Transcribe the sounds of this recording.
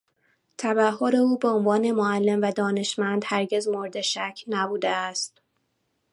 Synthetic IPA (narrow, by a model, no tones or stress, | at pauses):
t̪ʰæβæɦo̞ɾe̞uːbe̞onvɒːne̞moælːe̞mvæd̪ɒːne̞ʃmænd̪̥hæɾɟe̞zmo̞ɾd̪e̞ʃæcʰnæbuːd̪eæst̪